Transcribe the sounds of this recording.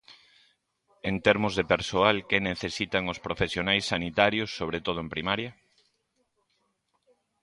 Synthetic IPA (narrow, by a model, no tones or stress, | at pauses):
ent̪ɛɾmʊzðepeɾsoalkeneθesit̪aŋʊspɾofesjonajsːanit̪aɾjʊsːoβ̞ɾet̪oð̞ʊempɾimaɾjɐ